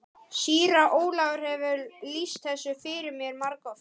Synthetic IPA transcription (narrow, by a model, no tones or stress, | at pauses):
siːɾaʔoːwlaːɣʏɾ̥hɛvʏlist̪̚θɛsːʏfɪːɾɪɾmjɛɾmaɾkɔf